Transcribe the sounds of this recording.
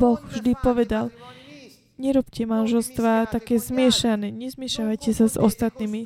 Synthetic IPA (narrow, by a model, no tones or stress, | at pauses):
bɔxvʒd̪ipɔʋɛd̪al | ɲɛɾɔpcɛmanʒɛlst̪ʋaːt̪akɛːzmɪɛʃanɛːɲɛzmɪɛʃaʋajcɛsazɔ̰st̪at̪niːmi